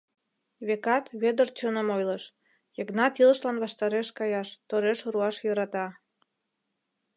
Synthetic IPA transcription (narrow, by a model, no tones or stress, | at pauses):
βekɑt̪βed̪ərt͡ɕonə̆mojləʃ | jəknɑt̪ilə̆ʃlɑnβɑʃt̪ɑɾeʃkɑjɑʃt̪oɾeʃɾuɑʃjɤɾɑt̪ɑ